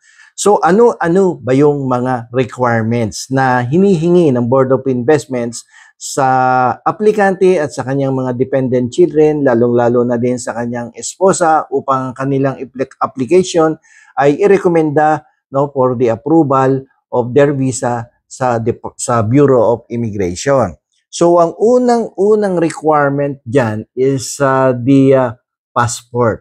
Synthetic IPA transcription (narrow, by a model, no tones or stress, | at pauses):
so̞ʔɐno̞ʔɐnobɐjoŋmɐŋaɾɛkwajɹmɛnt̪snɐɦɪniːɦɪŋinɐŋboɹd̪opɪnvɛst̪̚mɛnt̪sː | ɐʔɐplɪkant̪ɛɐt̪sɐkɐɲaŋmɐŋad̪ɪpɛnd̪ɛnt̪̚t͡ʃɪld̪ɾɛnlaːloŋlaːlonɐd̪ɪnsɐkɐɲaŋɛspo̞ːsɐʔuːpɐŋɐŋkɐnɪlaŋɪpkʔaplɪkɛjʃo̞n | ʔɐjʔɪɾɛkomɛnd̪a | no̞poɾd̪iɐpɾuːbɐl | ʔofd̪ɛɹviːsɐ | sɐsɐbjuːɾo̞ʔofɪmɪɡɾɛ̰jʃon | so̞wʔɐŋʔuːnɐŋʔuːnɐŋɾɛkwajɹmɛnt̪̚d͡ʒanɪsɐd̪i | paspoɹt̪̚